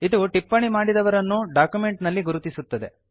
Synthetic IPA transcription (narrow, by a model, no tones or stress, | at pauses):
id̪uʈipːɐɳimaːɽid̪ɐʋɐɾɐnːuɖaːkjume̞ɳʈnɐlːiɡuɾut̪isut̪ːɐd̪e̞̰